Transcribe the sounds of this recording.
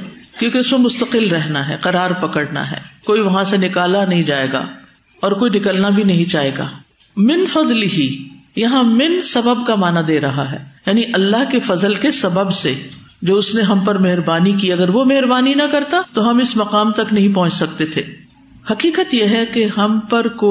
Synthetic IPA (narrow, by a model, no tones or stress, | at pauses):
kjõːkeʊsmemʊst̪əqɪlɾɛɦnaɦɛ̰ːqɐɾaːɾpɐkəɽna̰ɦɛ̰ːkoːiʋɐɦãsenɪkaːlanɐɦĩd͡ʒaːḛːɡa̰ː | ɔːɾkoːinɪkəlnabʱinɐɦĩt͡ʃaːeːɡa̰ː | mɪnfɐd̪lɪɦijɐɦãmɪnsɐbəb̚kamaːnad̪eːɾɐɦaɦɛ̰ːjaːniʔɐlːaɦkefɐzəlkesɐbəbse | d͡ʒoːʊsneɦɐmpɐɾmeɦɾbaːnikiɐɡəɾʋomeɦɾbaːninɐkɐɾt̪at̪oɦɐmɪsmɐqaːmt̪ɐknɐɦĩpɐɦʊ̃nt͡ʃsɐk̚t̪et̪ʰeː | hɐqiːqət̪jeɦɛkeɦɐmpɐɾko